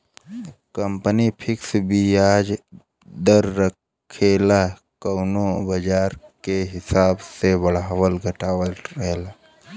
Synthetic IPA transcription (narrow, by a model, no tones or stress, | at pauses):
kə̃mpənipʰɪksbʱiaːd͡ʒ | d̪əɾːəkʰela | kəʊnobəd͡ʒaːɾkeɦɪsaːbsebəɽ̤aːwəlɡʱəʈaːwəlɾəɦela